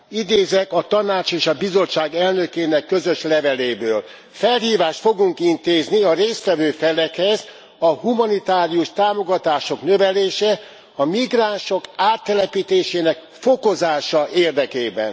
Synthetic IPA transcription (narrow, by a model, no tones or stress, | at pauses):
id̪eːzɛkɒt̪ɒnaːt͡ʃeːʃɒbizo̞t͡ʃːaːɡɛlnø̞keːnɛkːøzø̞ʃlɛvɛleːbøːl | fɛlhiːvaːʃt̪fo̞ɡuŋkint̪eːzniɒɾeːst̪ʋɛvøːfɛlɛkhɛz | ɒhumɒnit̪aːɾiuʃt̪aːmo̞ɡɒt̪aːʃoknø̞vɛleːʃɛ | ɒmiɡraːnʃo̞kaːt̪ːɛlɛpit̪eːʃeːnɛk | fo̞ko̞zaːʃɒʔeːrd̪ɛkeːbɛ̰n